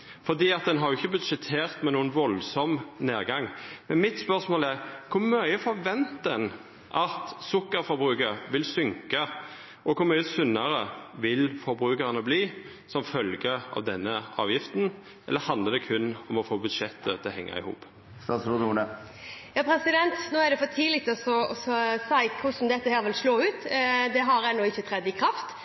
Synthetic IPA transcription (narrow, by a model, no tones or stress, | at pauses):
fɔʁd̪iːɑt̪̚d̪ɛnɦɑɾjʊɪçːəbʉd̪ʂɛt̪ʰeːʁt̪mɛnuːənʋɔlsɔmneːʁɡɑŋːmɛnmɪt̪spœʁsmoːlæʁkʰʊɾmœʏəfɔɾʋɛnt̪̚d̪ɛn | ʔɑt̪sʊkːəɾfɔɾbʁʉːkəɾʋɪlsʏŋkɑ | ʔɔkʰʊɾmœʏəsʉnːəɾəʋɪlfɔɾbɾʉːkəʁənəbliː | sɔmfœlɡəɑ̰ʋd̪ɛnːəʔɑ̰ːʋjɪft̪n | ʔɛlːəhɑnd̪ləd̪ɛkʰʉnɔmɔfoːbʉd̪ʃɛt̪ːət̪ʰɛlhɛŋːə̰ɪ̰hṵːp | st̪ɑːt̪sɾʊd̪uːnə | jɑːpʰɾɛsɪd̪ɛnt̪noːæɖ̪ɛfɔt̪ʰiːlɪt̪ɔsɔɔsɔsæɪkʰʊsm̩d̪ɛt̪ːəhæːɾʋɪlsloːʉːt̪d̪ɛɦɑɾæɪnoːɪçːət̪ʰɾɛd̪ɪkʰɾɑft̪